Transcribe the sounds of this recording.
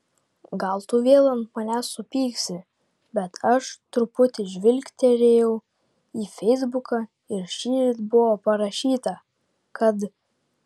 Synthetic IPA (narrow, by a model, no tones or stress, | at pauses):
ɡɐlˠt̪ʊʋʲeːlˠɐnt̪mɐnʲæsːʊpʲiːksʲɪ | bʲɛt̪ʰɐʃt̪ɾʊpʊt̪ʲɪʒʲʋʲɪlʲkʲt̪ʲeɾʲeːjɛʊ | iːfʲɛɪzbʊkɑ | ɪɾʃʲiːɾʲɪt̪bʊʋoːpɐɾɐʃʲiːt̪ɐ | kɐt̪